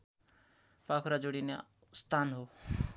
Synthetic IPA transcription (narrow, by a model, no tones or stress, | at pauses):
pakʰuɾad͡zoɽine | st̪ʰanɦo